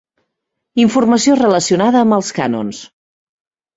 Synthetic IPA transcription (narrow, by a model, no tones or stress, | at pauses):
iɱfurməsiorələsiunaðəːmbəlˠska̰no̰ns